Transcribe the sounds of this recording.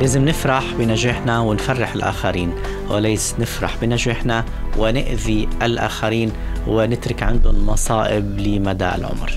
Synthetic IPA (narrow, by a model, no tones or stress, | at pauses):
laːzɪmnɪfɾˤɑħbɪnaʒaħnawɪnfarːɪħɪlʔa̰ːxaɾiːn | wɪ̰laːsnɪfɾˤɑ̰ħbɪnaʒɪħna | wʔɪnɪʔðiʔalʔa̰ːxaɾiːn | wɪnɪt̪ɾɪkʕɪnd̪ʊnmɑsˤɑːʔɪblɪmad̪a̰ːʔɪ̰lʕʊ̰mɾ